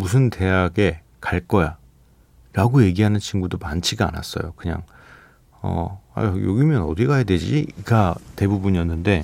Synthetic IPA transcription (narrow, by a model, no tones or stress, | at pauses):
musʰɯnte̞ɦaɡe̞ | kaɭk͈ʌja | ɾaɡoje̞ɡiɦanɯnt͡ɕʰinɡudomant͡ɕʰiɡaa̰na̰s͈ʌ̰jokɯɲa̰ŋ | ʌ̰a̰jjoɡimjʌnʌdiɡajadwe̞d͡ʑḭɡate̞bubuɲijʌnːɯnde̞